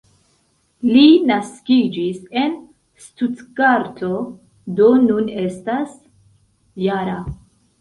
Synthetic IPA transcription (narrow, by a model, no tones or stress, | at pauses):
linaskid͡ʒise̞n | stutkaɾtʰo̞ | do̞nune̞stas | jaɾa